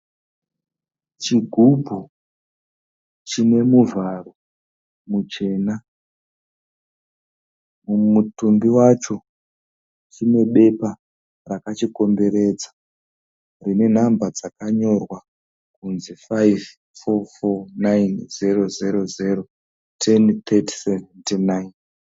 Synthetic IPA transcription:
t͡ʃiɡʱubʱu | t͡ʃine̞muvaro̞ | mut͡ʃe̞ːna | mumutumbiwat͡ʃo̞ | t͡ʃine̞ɓe̞pa | rakat͡ʃiko̞mbe̞ɾe̞d͡zḁ | rine̞n̤ambad͡zakaɲo̞rwa | kunzifaiv | fofonajnzero̞zeɾo̞zeɾo̞ | tʰe̞nt̪ʰetseventenajn

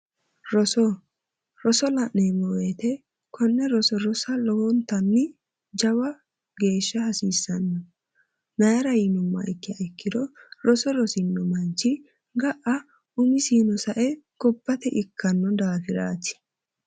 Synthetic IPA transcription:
ɾɔsɔ | ɾɔsɔlɐʔneːmɔwet̪ɛ | kʰɔnːɛɾɔsɔɾɔsɐlɔwɔnt̪ːɐnːɪ | d͡ʒɐwɐ | ɡe̞ːʃːɐhɐsiːsːɐnːɔ | nɐjɐɾɐjɪnʊmːɐ̰ʔɪkːɪjɐ̰ɪkːɪd̪ɔɾɔsɔɾɔsɪnːɔmɐnt͡ʃːɪ | ɡɐʔɐ | ʊmɪsiːnɔsɐʔɛɡ̥ɔbːɐt̪ɛʔɪkʰːɐnːɔd̪aːfɪɾa̰ːt̪ɪ̥

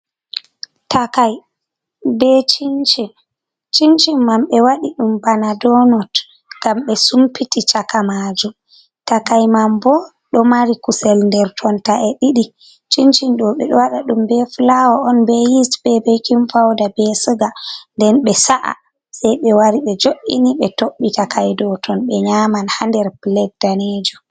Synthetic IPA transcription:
takaj | bɛt͡ʃint͡ʃin | t͡ʃint͡ʃimːamɓɛwaɗiɗumbanadɔnɔt | ɡ̥amɓɛsumpitit͡ʃakamad͡ʒum | takajmambɔ | ɗɔmaɾikusɛlndɛɾtʰɔntaʔɛɗiɗi | t͡ʃint͡ʃinɗɔɓɛɗɔwaɗaɗumbɛflawɔʔɔnbɛjitbɛbejkinfawdabɛsɨɡandɛnɓɛsaʔa̰ | sajɓɛwaɾiɓɛd͡ʒoʔḭniɓɛtoɓːitakʰajdɔtʰɔnɓɛɲamanhandɛɾplɛt̚daned͡ʒu

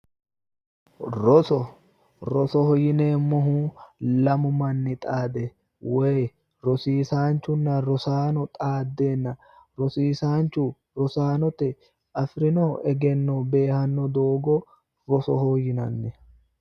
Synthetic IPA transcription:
ɾɔsɔ | ɾɔsɔhɔjɪneːmɔɦuːlɐmʊmɐnːɪt̪ʼaːd̪ɛ | wɔj | ɾɔsiːsaːnt͡ʃːʊnːɐɾɔsaːnɔt̪ʼaːd̪ːe̞ːnːɐ | ɾɔsiːsaːnt͡ʃːʊ | ɾɔsaːnɔt̪ɛ | ʔɐfɾɪnoʔɛɡɛnːɔbe̞ːhɐnːɔd̪oːɡɔ | ɾɔsɔhɔjɪnɐnːɛ

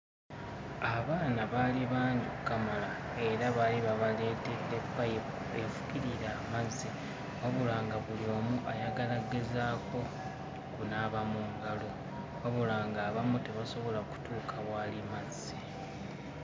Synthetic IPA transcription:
aβaːnaβaːliβaːɲɟiukːamala | e̞ɾaβaːliβaβale̞ːteɾepːa | efu̥kiɾiɾaːmazːi | waβulaːŋɡaβulio̞muʔajaɡalaɡezaːko̞ | kunaːβamuŋɡalo̞ | waβulaːŋɡaːβamute̞βaso̞βo̞laku̥tʰuːkʰaβwaːlimazːi

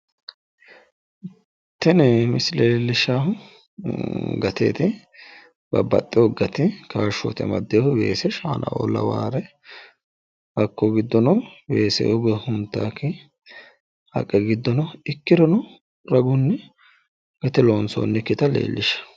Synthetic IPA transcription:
t̪ːɛnɛmɪsleːlːɪʃaːhʊ | ɡɐt̪ḛːt̪ɪ | bɐbːɐ̰t̪ʼːɪɔɡɐt̪ɪkaːʃɔ̰t̪ɛ̰mɐ̰d̪ːejhʊbe̞̰ːsɛʃaːnʔɐ̰ʔo̰ːlːɐ̰wa̰ːɾɛ | b̥ɐkːɔɡɪd̪ːɔnɔbeːsɛ̰ʔɔɡɔhʊnt̪ːa̰ːkːɪ | hɐ̰kʼːɛɡɪd̪ːɔnɔɪkːɪɾɔnɔ | ɾɐɡʊnːɛ | ɡ̥ɐt̪ɛloːnso̰ːnːɛkːɪt̪ɐlḛːlːʔɪʃɐ̥

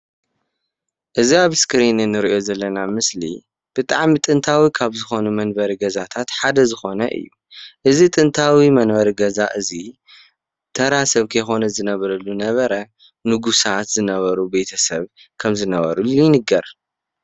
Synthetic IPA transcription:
ʔɨziaβskɨɾinɨnːɨɾiʔo̞zɐlːɐnamɨslḭ | b̥ɨt̪ʼaʕmit̪ʼɨnt̪ʰawikʰaβzɨxo̞numɐnbɐɾiɡɐzat̪ʰat̪ħad̪ɐzɨxo̞nɐ̰ʔɨ̰jːu | ʔɨzit̪ʼɨnt̪ʰawimɐnbɐɾiɡɐzaʔɨzi | t̪ʰɐɾasɐβkʰɐjxo̞nɐzɨnɐβɐɾɐlːunɐβɐɾɐ | nɨɡusat̪zɨnɐβɐɾube̞t̪ʰɐsɐβkʰɐmzɨnɐβɐ̰ɾulujnɨɡɐɾ

